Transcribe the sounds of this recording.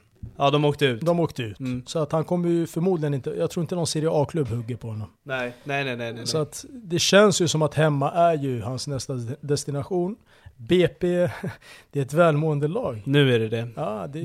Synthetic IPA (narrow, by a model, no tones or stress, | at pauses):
ɑːd̪ɔmoːkt̪əʉ̟ːd̪ɔmoːkt̪əʉ̟ːt̪ːsɔat̪hankʰɔmːəɾjɵfœɾmuːd̪lɪɡənɪnt̪əjɑɡt̪ʰɾuːɪnt̪ənɔnseɾɪɑːkʰlɵbːhɵɡːəɾpʰɔhɔnːɔmnɛnɛnɛnɛɛsɔat̪d̪ɛɕɛnsjɵsɔmat̪hɛmːaʔæɾjɵhansnɛst̪ad̪ɛst̪ɪnaɧuːn | beːpeːd̪̥ɛæɾɛt̪vɛːlmoːɛnd̪əlɑːɡnʉ̟ːæɖɛd̪ɛɑːd̪ɛ